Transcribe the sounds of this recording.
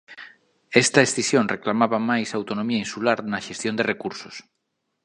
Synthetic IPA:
est̪aesθisjõnreklamaβamajsawt̪onomiainsulaɾnaʃest̪jond̪erʔekuɾso̥s

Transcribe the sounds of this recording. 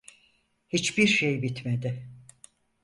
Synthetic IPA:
hit͡ʃbiɾʃejbit̪med̪ɪ

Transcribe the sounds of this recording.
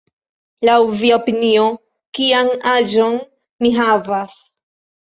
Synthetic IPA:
lawviaopinio | kianad͡ʒo̞n | miɦavas

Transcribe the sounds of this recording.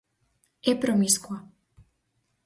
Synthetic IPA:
ɛpɾɔmiskua

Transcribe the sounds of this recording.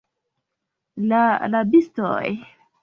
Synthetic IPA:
lalabisto̰j

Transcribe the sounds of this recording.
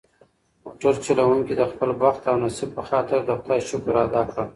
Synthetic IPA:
mʊʈoɾt͡ʃulawuŋkid̪əxpəlbwaxt̪awnasɪb̚pəxɑt̪ɪɾd̪əxd̪ɑjʃʊkɾad̪ɑkɽa

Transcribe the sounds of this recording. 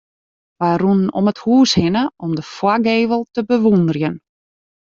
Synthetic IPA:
ʋajrunnɔ̰məthuːshɪnəɔmdəfwaɡeːvəlˠtəbəʋundərjən

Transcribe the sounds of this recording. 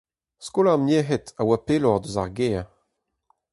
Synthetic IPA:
skolameɦetawapelɔʁd̪øza̰ʁɡeːa

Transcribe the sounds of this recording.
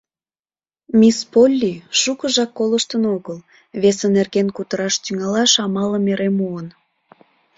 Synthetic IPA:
mispolʲːiʃukəʒɑkːoləʃt̪ənoɣəl | βesənerɣenkut̪əɾɑʃt̪yŋɑlɑʃɑmɑləmeɾemuən

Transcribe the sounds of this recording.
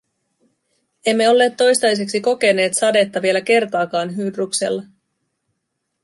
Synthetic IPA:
e̞mːe̞o̞lːe̞ːt̪ːo̞jst̪ɑjs̬e̞ksiko̞ke̞ne̞ːt̪sɑde̞t̪ːɑʋie̞læk̟e̞rt̪ɑːkɑːnɦyːdrukse̞̰lːɑ

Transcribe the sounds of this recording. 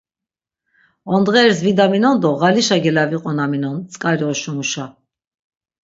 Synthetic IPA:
ɔnd̪ʁɛːɾsvid̪aminɔnd̪ɔʁaliʃaɡɛlaviqʼɔnaminɔnt͡sʼkʼaɾjɔʃɔmuʃa

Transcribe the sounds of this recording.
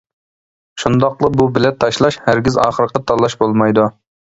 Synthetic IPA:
ʃund̪ɑqlˠəbubɪlɛt̪ʰːɑʃlˠɑʃhæɾɡʲizɑːχəɾəqət̪ʰɑlˠːɑʃbolˠmɑjd̪u

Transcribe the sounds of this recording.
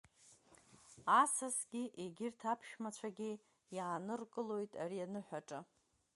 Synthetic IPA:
asasɡʲiʔeɡʲɪrtʰapʰʃmat͡ɕʷʰaɡʲi | jaːnɨrkʼɨlo̞jtʼa̰ɾijanɨħʷᶣaʈ͡ʂʼɨ

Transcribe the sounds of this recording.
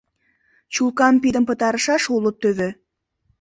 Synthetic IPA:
t͡ɕulˠkɑmpʲid̪əmpɤ̆t̪ɑɾɤ̆ʃɑʃulˠɤ̆t̪ːɵβɘ̆

